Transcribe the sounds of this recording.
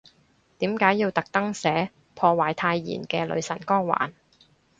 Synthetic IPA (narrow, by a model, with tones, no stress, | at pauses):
t̪iː˨˥mkaː˨˥jːiː˧wt̪ɐ˨k̚t̪ɐ˥ŋsɛː˨˥ | pʰɔː˧waː˨˩jt̪ʰaː˧jːḭː˨˩nkɛː˧lɵ̰˨˧ɥsɐ̰˨˩nkɔː˥ŋwa̰ː˨˩n